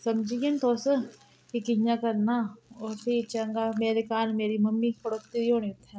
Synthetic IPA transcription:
sɐmd͡ʒijɐnt̪oːsə | kikɪɲjãkɐɾnaoːɾpʰit͡ʃɐŋɡameːɾekaːnmeːɾimɐmːikɐɽoːkt̪iioːɽiʊt̪ʰːɛ̃

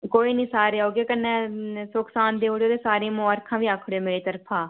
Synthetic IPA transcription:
koːiːnĩːsaːɾeːɦoːɡeːkənːɛːsʊksaːnd̪eːoːɽeoːd̪eːsaːɾẽːmõːəɾkʰãːʋiːaːkʰɽeːmeːɭiːt̪əɾpʰãː

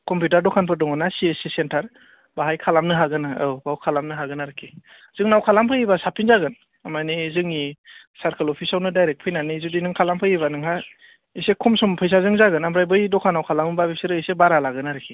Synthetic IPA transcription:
kɔmputaɾdɔkʰanpʰɯɾdɔŋɯnasiesisentʰaɾ | baɦajkʰalamnɯɦaɡɯnaɯwbawkʰalamnɯɦaɡɯnaɾɯkʰi | z̥ɯŋnawkʰalampʰɯjibasapʰinzaɡɯn | amanizɯŋi | saɾkʰɯlɔpʰisawnɯdajɾek̚pʰɯjnanizudinɯŋkʰalampʰɯjibanɯŋɦa | isekʰɔmsɔmpʰɯjs̬azɯŋzaɡɯnampɾajbɯjdɔkʰanawkʰalamɯbabisɯɾɯisebaɾalaɡɯnaɾɯkʰi

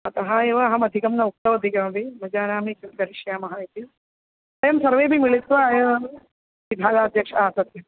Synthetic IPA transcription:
ɐt̪ɐɦɐjeʋɐːɦɐmɐd̪ʱikɐmnɐuk̚t̪ɐʋɐd̪ʱikɐmɐbʱimɐd͡ʒaːnaːmikumkɐɾiʃjaːmɐɦɐjit̪i | ɐjɐmsɐɾʋeːbʱimiɭit̪ʋɐːjɐʋɐ | ʋibʱaːɡaːd̪ʱjɐkʂɐaːsɐt̪jɐ

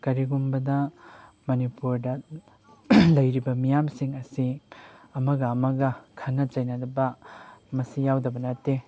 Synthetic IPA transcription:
kɐɾiɡumbɐdɐ | mɐnipuɾdɐ | lɐjɾibɐmijamsiŋɐsiɐmɐɡɐːmɐɡɐkʰɐnːɐt͡ʃɐjnɐdɐbɐmɐsijawdɐbɐnɐtːe

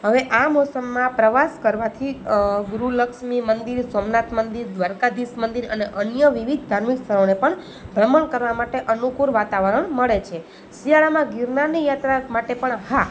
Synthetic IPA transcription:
ɦəʋeʔamosəmːãpɾəʋaskəɾʋat̪ʰiɡuɾuləkʃmimənd̪iɾsomnat̪mənd̪iɾd̪ʋaɾkad̪ismənd̪iɾəneʔənjəʋiʋid̪ʱd̪ʱaɾmikst̪ʰəɾonepəɳ | bʱɾəməɳkəɾʋamaʈeʔənukuɾʋat̪aʋəɾəɳməɭet͡ʃʰe | sijaɭamãɡiɾnanijat̪ɾamaʈepəɳɦa

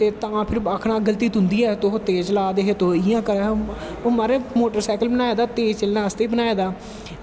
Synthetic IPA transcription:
t̪eːt̪əãːpʰɪɾəkʰnãːɡəlt̪iːt̪ʊnd̪iːɛːt̪oɦot̪eːd͡ʒlaːd̪eːɦeːt̪oɪjãːkəɾaː | oːməɾeːmoːʈəɾsɛːkəlbənaːeːd̪aːt̪eːt͡ʃəlnãːəst̪eːbənaːeːd̪aː

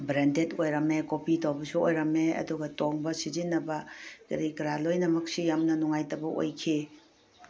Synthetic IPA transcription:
bɾentetojɾɐmekopitowbɐsuojɾɐmeɐ̰duɡɐtoŋbɐsizinːɐbɐkiɾikɐɾalojnɐmɐk̚sijamnɐnuŋajtɐbɐʔo̰jkʰi

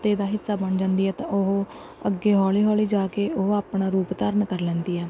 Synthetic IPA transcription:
t̪eːd̪aːɦɪsːaːbəɳd͡ʒãːnd̪iːɦɛːt̪ãːʊɦo | əɡːeːɦɔːliːɦɔːliːd͡ʒaːkeːʊɦoaːpnaːɾuːpt̪əɾənkəɾlɛ̃ːnd̪iːɦɛː

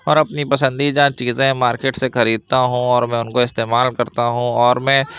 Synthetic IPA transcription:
ɔːɾɐpnipɐsə̃nd̪id͡ʒãt͡ʃiːzẽmaːɾkeːʈsexɐɾiːd̪̚t̪aɦũɔːɾmɛ̃ʊnkoɪst̪eːmaːlkɐɾt̪aɦũɔːɾmɛ̃ː

